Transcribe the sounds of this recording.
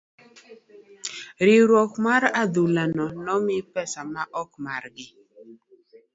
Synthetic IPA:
ɾɪɾwɔkmaɾad̪ulanɔnɔmɪpɛsamaʔɔkmarɡɪ

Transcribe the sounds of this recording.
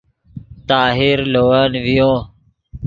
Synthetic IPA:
t̪aːɦɪɾloːaːnʋɪjõː

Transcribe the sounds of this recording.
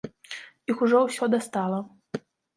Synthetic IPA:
ixuʐɔwsʲɔd̪ast̪alˠɐ

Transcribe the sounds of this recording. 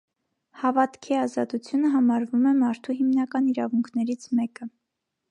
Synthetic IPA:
hɑvɑt̪kʰiɑzɑt̪ut͡sʰjunəɦɑmɑɾvumɛmɑɾt̪ʰuɦimnɑkɑniɾɑvuŋkʰnɛɾit͡sʰmɛkə

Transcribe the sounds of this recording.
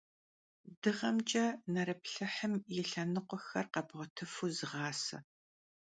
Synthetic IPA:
dɨʁɐmt͡ʃʼɐnɐɾɐp̚ɬɐħəmjɛɬɐnɨqʷʼɔxɐrqɐbʁʷɔtʰɨfuzɨʁɑːsɐ̰

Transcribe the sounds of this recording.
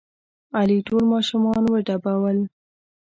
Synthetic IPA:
aliʈolmɑʃumɑnwəɖabawəl

